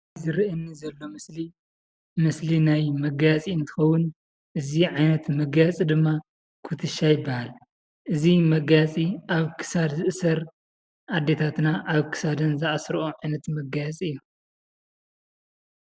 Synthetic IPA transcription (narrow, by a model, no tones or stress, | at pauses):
zɨɾɨʔɨnːizɐlːo̞mɨsli | mɨslinajmɐɡat͡sʼiɨnt̪ʰɨ̥xɐwʊn | ʔɨziʕajnɐt̪mɐɡat͡sʼid̪ɨmːa | kʰut̪ʰɨʃːajɪbːahal | ʔɨzimɐɡat͡sʼiaβkʰɨ̥sad̪zɨʔɨsɐɾ | ʔad̪ːe̞t̪ʰat̪naʔaβkʰɨ̥sad̪ɐnzɐʔasɾʔoʕajnɐt̪mɐɡajt͡sʼiɨjːu